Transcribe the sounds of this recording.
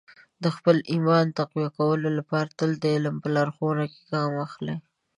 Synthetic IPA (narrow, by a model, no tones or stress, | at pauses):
d̪əxpəlʔimɑnt̪aqwijakawəlolapɑɾat̪əld̪əɪlmpəlaɾxonake̥ɡɑmaxlaj